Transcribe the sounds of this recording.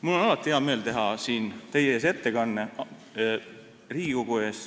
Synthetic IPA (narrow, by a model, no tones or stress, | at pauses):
mulːonɑlɑt̪ːˑiheɑme̞ːlt̪e̞ɦɑsiːnt̪e̞jeeːs̬e̞t̪ːe̞kɑnːe | riːɡiko̞ɡue̞ːs